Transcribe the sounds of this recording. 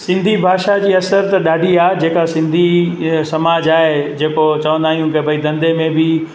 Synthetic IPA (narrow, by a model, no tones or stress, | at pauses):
sɪ̃nd̪ʱibʱaːʃad͡ʑiːɐsəɾt̪ɐɗaːɖʱiaːd͡ʑeːkasɪ̃nd̪ʱisɐmaːd͡ʑaːɦed͡ʑeːkot͡ɕɐʋə̃nd̪aːɦijũkɪbʱɐid̪ɐ̃nd̪emẽbɪ